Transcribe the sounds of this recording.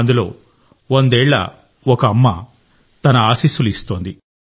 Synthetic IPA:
nd̪ulo̞ː | ond̪ɛːɭːɐ̰ | ɔkɐːmːɐ̰ | t̪ɐnɐaːsiːsuluist̪o̞ːnd̪i

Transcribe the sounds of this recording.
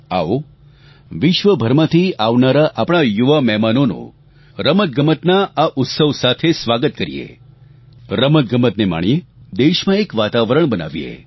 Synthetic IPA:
a̰o | ʋɪʃʋəbʱəɾmət̪ʰiaʋnaɾaʔapɽ̃ajuʋamɛɦmanonṵ̃ | ɾəmət̪̚ɡəmət̪naaʔʊt̪səʋsat̪ʰesʋaɡət̪̚kəɾḭjḛ | ɾəmət̪̚ɡʱəmət̪nema̰ɳ̃ied̪eʃmãekʋat̪aʋɾəɳ̃bəna̰ʋiḛ

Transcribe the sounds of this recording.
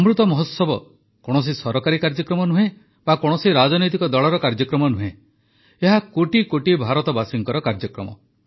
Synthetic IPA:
ɔmɾut̪ɔmɔɦɔt̪sɔbɔ | kɔɽ̃ɔs̬isɔɾɔkaɾikaɾd͡ʒɔkɾɔmɔnuɦẽ | bakɔɽ̃ɔsiɾad͡ʒɔnɔjt̪ikɔd̪ɔɭɔɾɔkaɾd͡ʒɔkɾɔmɔnuɦẽ | eɦakoʈikoʈibʱaɾɔt̪ɔbasiŋkɔɾɔkaɾd͡ʒɔkɾɔ̰mɔ̰

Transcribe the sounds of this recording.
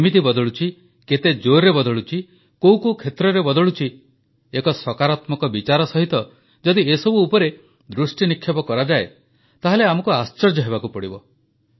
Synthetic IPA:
imit̪̬ibɔd̪ɔɭut͡ʃʰi | ket̪ed͡ʒoɾɾebɔd̪ʱɔɭut͡ʃʰi | kowkukʰet̪ɾɔɾebɔd̪ɔɭut͡ʃʰi | ekɔsɔkaɾat̪mɔkɔbit͡ʃaɾɔsɔɦit̪ɔ | d͡ʒɔd̪iesɔbuːpɔɾe | d̪ɾusʈinikʰjɔpɔkɔɾad͡ʒae | t̪aɦeleamɔkuast͡ʃɔɾd͡ʒɔɦeβakupɔɽibɔ

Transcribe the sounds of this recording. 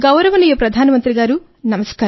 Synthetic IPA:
ɡɐwɾɐʋɐnijopɾɐd̪ʱaːnɐmɐnt̪ɾiɡaːɾu | nɐmɐskaː

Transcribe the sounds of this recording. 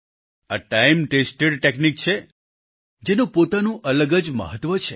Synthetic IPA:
aʈajmʈesʈeɖʈeknik̚t͡ʃʰe | d͡ʒenũpot̪anũʔələɡəd͡ʒmə̰ɦət̪ʋət͡ʃʰe

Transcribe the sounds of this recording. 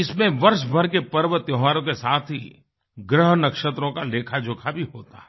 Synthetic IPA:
ɪsmẽʋɐɾʃbʱɐɾkepɐɾʋət̪joɦʋaːɾõkesaːt̪ʰɦi | ɡɾəɦnɐkʃət̪ɾõkaleːkʰad͡ʒʱʊkʰabʱiɦoːt̪a̰ɛ

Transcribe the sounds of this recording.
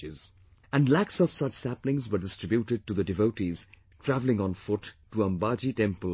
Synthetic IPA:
ɪz | æ̃nɖlæksɔv̥sʌt͡ʃsæplɪ̃ŋzwə˞ɖɪstɾɪbjuʈɪɖ̚ʈud̪əɖɪvoʊʈiz̥ | tʰɾævlɪ̃ŋə̃nfʊʈːuə̃mbɑd͡ʒiʈɛ̃mpəl

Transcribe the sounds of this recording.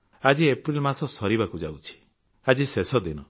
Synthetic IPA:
ad͡ʒiepɾilmasɔsɔɾibakud͡ʒa̰wt͡ʃʰi̥ | ad͡ʒisesɔd̪inɔ

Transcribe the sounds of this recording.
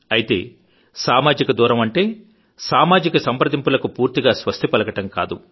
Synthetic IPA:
ɐjit̪e̞ː | saːmaːd͡ʒikɐd̪uːɾɐmɐɳʈe̞ː | saːmaːd͡ʒikɐsɐmpɾɐd̪impulɐkupuːɾt̪iɡaːsʋɐst̪ʰipɐlɐkɐʈɐmka̰ːd̪u

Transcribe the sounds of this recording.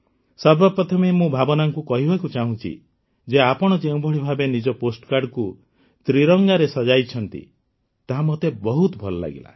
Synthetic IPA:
sɔɾbapɾɔt̪ʰɔmemũbʱabɔnaŋkukɔɦibʱakut͡ʃaɦũt͡ʃʰḭ | d͡ʒeapɔɽ̃ɔd͡ʒeũbʱɔɽ̤ibʱabenid͡ʒɔposʈkaɾɖku | t̪ɾiɾɔŋɡaɾesɔd͡ʒajt͡ʃʰɔnt̪ḭ | t̪aɦamɔt̪ebɔɦut̪ɔbʱɔlɔla̰ɡḭla̰

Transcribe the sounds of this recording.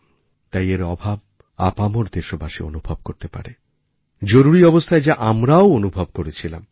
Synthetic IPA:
t̪ajeɾɔbʱab̚ | a̰pamoɾd̪eɾʃobaʃeo̰nubʱobkoɾt̪epa̰ɾe | d͡ʑoɾuɾiɔbost̪ʰaed͡ʑaʔamɾaoonubʱob̚koɾet͡ɕʰila̰m

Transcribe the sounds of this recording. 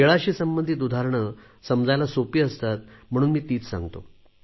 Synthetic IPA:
eɭaɕiːsəmbənd̪ʱiːt̪̬ud̪ʱaɾɳə | səmd͡zajlasopiːəst̪at̪̚m̤əɽ̃uːnmiːt̪iːt͡ssã̰ŋɡt̪o̰

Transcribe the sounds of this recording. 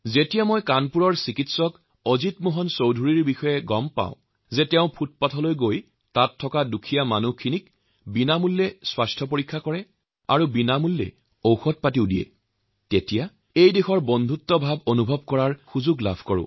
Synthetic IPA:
zetijamɔjkanpuɹɔɹsikitsɔk | ozitmoɦɔnsowdʱuɹiɹbixɔjɛɡɔmpa̰ʊ̃ | zɛtɛʊ̃pʰut̚patʰɔlojɡoj | tatʰːɔkadukʰijamanukʰːinik | binamulːɛswastʰɔpoɹikʰːakɔɹɛ | a̰ɹubinamulːɛ̰ | owxɔt̚patiʊdijɛ̰ | tetija | ejdexɔɹbɔndʱutːɔbʱabonubʱɔb̚kɔɹaɹxuzuɡla̰bʱkɔɹʊ̰̃

